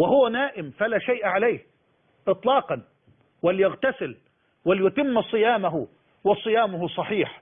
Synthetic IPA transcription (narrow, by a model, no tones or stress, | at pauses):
wɪɦʊwanaːʔɪmfalaʃajʔʕalajh | ʔɨt̪ˤlɑːqɑn | wɪlːjɪɣt̪asɪl | wɪljʊt̪ɪmːsˤɨjaːmaɦʊ | wɑsˤɨjaːmʊhʊsˤɑħiːħ